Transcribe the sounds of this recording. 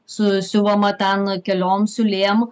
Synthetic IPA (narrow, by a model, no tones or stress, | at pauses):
sʊsʲʊʋɐmɐt̪ʲɛnkʲɛlʲoːmsʲʊlʲeːm